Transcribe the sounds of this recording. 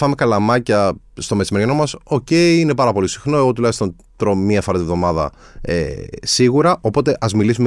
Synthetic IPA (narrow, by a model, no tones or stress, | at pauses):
ɐme̞kɐlɐmɐcɐ | st̪o̞met͡ssimeɾjɐno̞mɐso̞ce̞iine̞pɐɾɐpo̞lisi̥xno̞e̞ɣo̞t̪̬ulɐist̪on | t̪ɾomiɐfɐɾɐt̪ivðo̞mɐðɐ̰ | ḛsiɣuɾɐʔo̞po̞t̪e̞ʔɐzmilisume